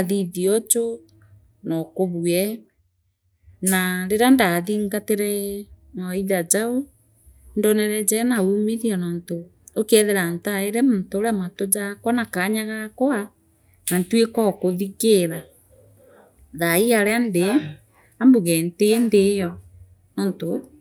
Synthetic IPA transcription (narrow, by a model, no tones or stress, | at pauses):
aðiðiɔt͡ʃo | nɔkoβwɛ | naɾeɾandaðiːŋɡateɾɛnɔiðad͡ʒao | ndɔnɛɾɛd͡ʒɛnauːmeðianɔːnto | okɛðeɾantaeɾɛmontooɾeamatod͡ʒakwanakaɲaɣakwa | nantwekɔkoðiɣeɾa | ðaiaɾeande | ambuɣɛntendejɔ | nɔːnto